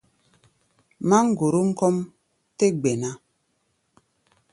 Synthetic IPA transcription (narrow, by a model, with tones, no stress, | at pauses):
ma˦ŋ̩˦˨ɡo˨ɾo˦ŋ̩˦kɔ˦m | te˦ɡ͡be˨na˦